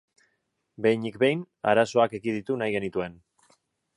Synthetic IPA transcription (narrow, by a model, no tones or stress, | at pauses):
be̞jnikbe̞jn | a̰ɾaso̞ake̞ɣiðit̪unajɣe̞nit̪ue̞n